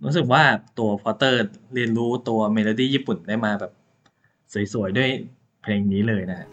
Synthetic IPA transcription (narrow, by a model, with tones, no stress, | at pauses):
ɾuː˦˥sɯ˨˩k̚waː˥˩t̪u˧ɐpʰɔː˧˥t̪ɤː˥˩ɾi˧ənɾuː˦˥t̪u˧ɐmeː˧loː˧diː˥˩jiː˥˩pu˨˩ndaː˥˩jmaː˧bɛː˨˩p̚ | su˨˩˦jsu˨˩˦jdu˥˩əj | pʰleː˧ŋniː˦˥lɤː˧jna˦˥kʰa˦˥ʔ